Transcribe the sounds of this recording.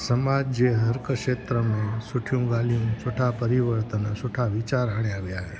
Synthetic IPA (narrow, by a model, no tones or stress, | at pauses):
səmad͡ʒd͡ʒeɦəɾkəʃet̪ɾəmẽsuʈʰjũɡalijũsoʈʰapəɾiʋəɾt̪ənsoʈʰaʋit͡ʃaɾɦaɳ̃jaʋjaɦe